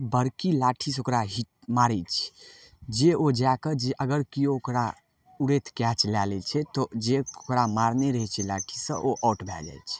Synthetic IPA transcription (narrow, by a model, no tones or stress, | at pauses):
bəɾkilaʈʰis̬okɾaɦiʈ̚ | maɾɛt͡ʃʰɛ̥ | d͡ʒeod͡ʒakəd͡ʒeʔəɡəɾkiookɾa | uɾet̪ʰkjat͡ʃʰlalɛt͡ʃʰɛt̪ɔd͡ʒeokɾamaɾneɾəɦɛt͡ʃʰɛlaʈʰisə̰̃ʔoʔɔʈbʱɛ̰ld͡ʒa̰jt͡ʃʰɛ̥